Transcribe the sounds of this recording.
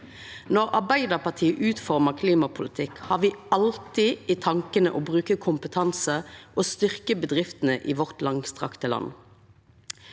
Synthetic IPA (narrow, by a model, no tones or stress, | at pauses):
nɔʁɑʁbæɪd̪ɑʁpʰɑʁt̪ʰiːəʔʉːt̪fɔʁməʁkʰliːmɑpʰʊlɪt̪ʰɪkhɑːʁʋɪɑlt̪ɪʔɪt̪ʰɑŋkənəʔoːbʁʉːkəkʰʊmpət̪ʰɑnsəʔoːst̪ʏʁkəbəd̪ʁɪft̪ən̩əʔiːʋɔʁt̪lɑŋst̪ʁɑ̰kt̪əlɑ̰nː